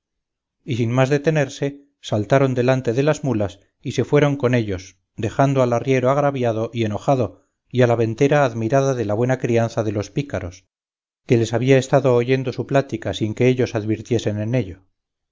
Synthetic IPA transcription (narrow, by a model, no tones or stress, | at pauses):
isinmazðet̪e̞neɾse̞ | salt̪aɾo̞nd̪e̞lant̪e̞ðe̞lazmulas | ise̞fwe̞ɾo̞ŋko̞ne̞ʎo̞s | d̪e̞xand̪oalarje̞ɾoaɣɾaβjaðo̞ʔie̞no̞χaðo̞ | ialaβe̞nt̪e̞ɾaːðmiɾaðaðe̞laβwe̞nakɾianθaðe̞lo̞spikaɾo̞s | ke̞le̞saβ̞iae̞st̪aðo̞ːʝe̞nd̪o̞suplat̪ikasiŋke̞eʎo̞saðβiɾt̪je̞se̞nene̞ʎo